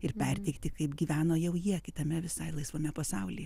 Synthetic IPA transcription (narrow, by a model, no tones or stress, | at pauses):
ɪrpʲɛrʲt̪ʲɛɪkt̪ʲɪkɐɪpɡʲiːʋʲæːnoːjɛʊjiɛkʲɪt̪ɐmʲɛʋʲɪsɐɪlˠɐɪsʋoːmʲɛpɐsɐʊlʲiːj